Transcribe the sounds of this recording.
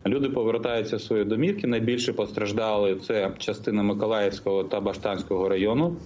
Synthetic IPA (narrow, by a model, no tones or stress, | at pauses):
lʲud̪ɪpɔʋeɾt̪ɑjʊt͡sʲːɐsʋɔjid̪ɔmʲikʲinɐjbʲilʲʃɛpɔst̪ɾɐʒd̪ɑlˠɪt̪sɛt͡ʃɐst̪ɪnɐmɪkɔlˠɑjɛwsʲkɔɦɔt̪ɐbɐʃt̪ɑnʲsʲkɔɦɔɾɐjɔnʊ